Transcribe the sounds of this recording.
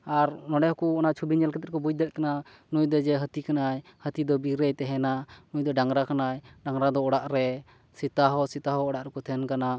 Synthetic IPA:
aɾnɔɖɛhɔkuɔnaʔt͡ʃʰubiɲɛlkɛt̪ɛt̪̚kɔbud͡ʒ̚d̪ɛt̪̚kana | nujd̪ɔd͡ʒɛɦət̪ikanajhət̪id̪ɔbiɾɛjt̪ɛɦɛnanujd̪ɔɖaŋɾakanajɖaŋɾad̪ɔɔɽaʔɾɛ | sit̪aɦɔsit̪aɦɔːɽaʔɾɛkɔt̪ʰɛnkana

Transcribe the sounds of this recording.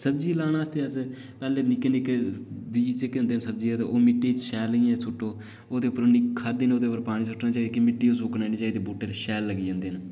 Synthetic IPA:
səb̚d͡ʒiːlaːnaːəst̪ʰeːəs | pɛːleːnɪkːeːnɪkebiːt͡ʃekːeːɦʊnd̪eːnsəb̚d͡ʒiːt̪eʔoːmɪʈːiːt͡ʃʃɛːliɛ̃ːsʊʈːoː | oːd̪eːʊpːəɾnːiːkʰəɾd̪iːnoːd̪eːʊpːəɾpaːɽĩːsʰʊʈːnaːt͡ʃaːiːd̪ikɪmɪʈːiːosoːkneːniːt͡ʃaːiːd̪iːbuːʈeːlʃɛːlːəɡiːd͡ʒãːnd̪eːn

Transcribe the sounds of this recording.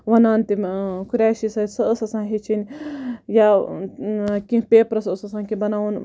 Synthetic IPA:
ʋɐnaːnt̪imkuɾʲaːʃisɐsɐəsɐsãːnɦet͡ʃinʲja | kĩpeːpɾɐsəsɐsãːkibɐnaːun

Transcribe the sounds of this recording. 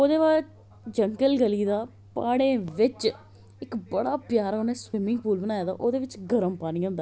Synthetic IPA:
oːd̪eːbaːt͡ʃ | d͡ʒəŋɡəlɡəliːd̪aː | paːɽẽːʋɪt͡ʃ | ɪkbəɽaːpɪjaːɾaːoːneːswɪmɪ̃ŋɡ̚puːlbənãːjaːd̪a̰ːʔoːd̪eːʋɪt͡ʃɡəɾəmpaːniːõːnd̪aː

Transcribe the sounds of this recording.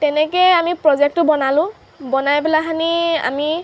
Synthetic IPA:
tɛnɛkɛamipɹɔzɛk̚tʊbɔnalʊ̃ | bɔnajpɛlaxania̰mi

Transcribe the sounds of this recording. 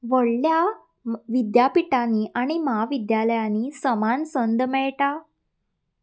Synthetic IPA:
ʋəɽlja | ʋid̪japiʈaniʔaɽ̃imaʋid̪jaləjaniːsəmansənd̪mɛɭʈa

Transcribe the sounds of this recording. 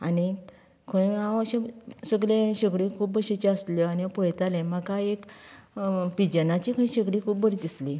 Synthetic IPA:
ani | kʰəĩãəɕesəɡlẽɕəɡɽikʰuːp̚bəɕet͡ɕeəslɔaniapuɭjt̪alẽmakaek | pid͡ʑənat͡ɕikʰə̃ĩɕəɡɽikʰuːpbəɾit̪isli

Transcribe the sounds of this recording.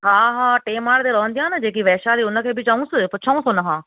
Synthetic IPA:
ɦãːɦãːʈeːmaːɽd̪eːɾɔːnd̪ijãːnad͡ʒeːk̬iʋɛːʃaːɾiːʊnãːkʰeːbʱit͡ʃaːũːsəpʊːt͡ʃʰaːũːsonaɦãː

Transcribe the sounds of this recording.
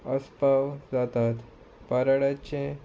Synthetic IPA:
əspaʋd͡zat̪at̪ | paɾaɽat͡ɕẽ

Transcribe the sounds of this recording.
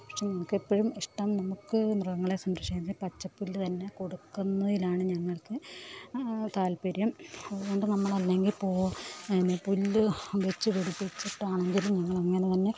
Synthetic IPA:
pɐʂenɐmukːepːoɻumiʂʈɐmnɐmukːɨmrɣɐŋːɐɭesɐnd̪ɐʂikːɐnːɐilpɐt͡ɕːɐpːulːt̪ɐnːe̞ko̞ɽukːunːɐðilaːɳɨɲɐŋːɐɭkɨ | t̪aːlpɐɾjɐmɐðuɣo̞ɳɖɨnɐmːɐɭɐlːe̞ŋɡilpo̞ːʋɐðinːepulːʋet͡ɕːɨʋeɽipːit͡ɕːiʈːaːɳeɲɡilumɲɐŋːɐɭɐŋːɐnet̪ɐnːe̞

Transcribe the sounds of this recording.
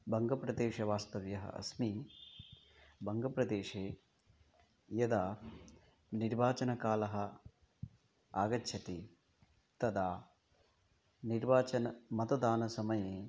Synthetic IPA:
bʱɐŋɡɐpɾɐd̪eːʃɐʋaːst̪ɐʋjɐɦɐ̰ʔɐ̰smi | bʱɐŋɡɐpɾɐd̪eːʃeː | jɐd̪aː | niɾbaːt͡ʃɐnɐkaːlɐɦɐ | aːɡɐtːʃʰɐt̪i | t̪ɐd̪aː | niɾbaːt͡ʃɐnɐmɐt̪ɐd̪aːnɐsɐmɐje

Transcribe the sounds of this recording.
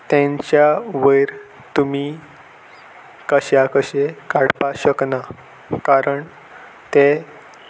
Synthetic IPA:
t̪ẽɲt͡ɕjaʋəjɾ | t̪umi | kəɕjakəɕekaɽpaɕəkna | kaɾəɳ | t̪e

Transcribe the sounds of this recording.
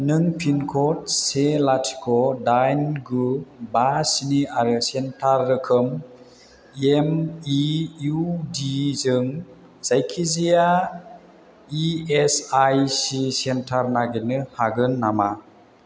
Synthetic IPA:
nɯŋpʰinkʰɔt̚selatʰi̥kʰɔdajnɡubasiniaɾɯsentʰaɾːɯkʰɯm | emiudizɯŋ | z̥ajkʰizija | iesajsisentʰaɾnaɡenɯhaɡɯnːama

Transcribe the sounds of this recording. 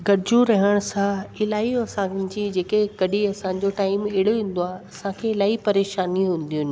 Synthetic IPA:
ɡɐɽɪd͡ʑũɾɐɦəɽ̃sãɪlaːĩɐsãd͡ʑiːd͡ʑeːkekɐɗʱiɐsãɲ̆d͡ʑoʈaːɪmeɦɪɽoɦĩːn̆d̪oaːɦɐsãkʰeɪlaːipɐɾeːʃaːniɦũːn̆d̪iʊnɪ̆

